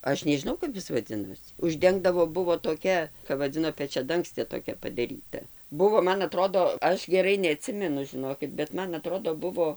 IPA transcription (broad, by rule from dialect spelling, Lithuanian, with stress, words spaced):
ˈɐʃ nʲɛʒʲɪˈnɐʊ kɐp ˈɪs ʋɐˈd͡zʲɪnoːsʲɪ ʊʒʲˈdʲɛŋɡdɐʋoː ˈbʊʋoː toːˈkʲɛ kɐp ʋɐˈd͡zʲɪnoː pʲɛt͡ʃʲɛˈdɐŋksʲtʲeː toːˈkʲɛ pɐdɐˈrʲiːtɐ ˈbʊʋoː ˈmɐn ɐˈtroːdoː ˈɐʃ ɡʲɛˈrɐɪ nʲɛɐˈtʲsʲɪmʲɛnʊ ʒʲɪˈnoːkʲɪt bʲɛt ˈmɐn ɐˈtroːdoː ˈbʊʋoː